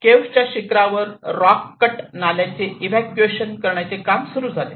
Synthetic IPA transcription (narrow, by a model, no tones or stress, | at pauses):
keʋt͡ɕjaɕikɾaʋəɾːɔkːəʈnaljat͡seiʋækueɕənkəɾɳjat͡sekamsuɾuːd͡zʱale